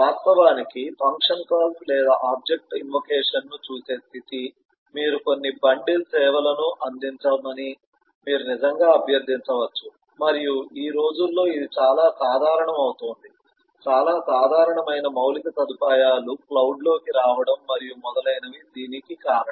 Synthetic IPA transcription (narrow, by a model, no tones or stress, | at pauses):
aːst̪ɐʋaːnikipʰɐŋkʂɐnkaːlslɛːd̪aʔaːb̚d͡ʒe̞k̚ʈinʋɐkɛːʂɐnːut͡ʃuːse̞ːst̪ʰit̪i | miːɾuko̞nːibɐɳɖilsɛːʋɐlɐnuʔɐnd̪iɲt͡ʃɐmɐni | miːɾunizɐŋɡaːɐbʱjɐɾd̪ʱiɲt͡ʃɐʋɐt͡ʃːu̥ | mɐɾijuiːɾo̞ːd͡ʒulːo̞ːid̪it͡ʃaːlaːsaːd̪ʱaːɾɐɳɐmɐwut̪oːnd̪i | t͡ʃaːlaːsaːd̪ʱaːɾɐɳɐmɐjnɐmɐwlit̪ɐsɐd̪upaːjaːluklɐwɖlo̞ːkiɾaːʋɐɽɐmːɐɾijumɔd̪ɐlɐjnɐʋid̪iːnikikaːɾɐ